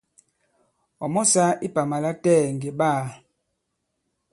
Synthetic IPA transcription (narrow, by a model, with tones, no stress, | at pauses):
ɔ˨mɔ˦sa˦i˦pa˨ma˨la˦tɛ˦˨ŋɡe˨ɓaː˦˨